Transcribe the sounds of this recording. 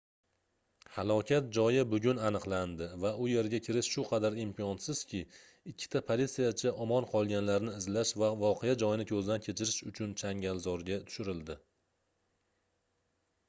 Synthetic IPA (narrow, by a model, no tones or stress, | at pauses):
halˠɒkʲʰat̪̚d͡ʒɒjɪbʊɡʲʊnanɨqlˠand̪ɪvaʊje̞ɾɡʲakʲʰɪɾɪʃʃʊqʰɑd̪aɾimpiɒnsɪz̥kʲʰɪ | ɪkʲʰːɪ̥t̪ʰapʰolʲit̪sijat͡ʃʰaʔɒmɒnqʰɒlˠɡʲanlaɾnɪːɪzlaʃvavɒqʰejad͡ʒɒjɪnɪkʲʰɵzd̪ankʲʰe̞t͡ʃʰɪɾɪʃʊt͡ʃʰʊnt͡ʃʰaŋɡʲalˠzɒɾɡʲat̪ʰʊ̥ʃɪɾɪld̪ɪ